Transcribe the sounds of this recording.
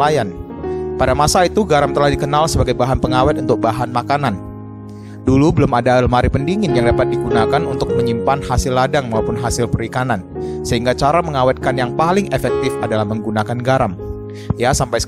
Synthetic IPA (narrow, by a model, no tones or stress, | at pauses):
ajan | padamasait̪uɡaɾamt̪əlahdikənalsəbaɡajbaɦanpəŋawɛt̪̚unt̪ʊk̚baɦanmakanan | dulubəlʊmadalmaɾipəndiŋɪnjaŋdapat̪̚diɡunakanunt̪ʊk̚məɲimpanhasɪlːadaŋmaupʊnɦasɪlpəɾikanansəɦiŋɡat͡ʃaɾaməŋawɛt̪̚kanjaŋpalɪŋefɛk̚t̪ɪfadalahməŋɡunakanɡaɾam | jasampajsə̥